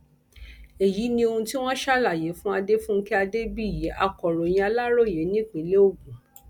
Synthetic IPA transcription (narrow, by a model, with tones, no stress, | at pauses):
e˨ji˨˦nĩ˧o˧hũ˧ti˦w̃ɔ̃˦ʃa˦la˦˨je˨˦fũ˦a˧de˦fũ˦kɛ˦a˧de˦bi˦i˨je˨˦ʔa˧kɔ˨ɾɔ˨j̃ĩ˧˦a˧la˦ɾo˦˨je˨˦nĩ˦˨k͡pĩ˨˦le˦o˦˨ɡũ˨˦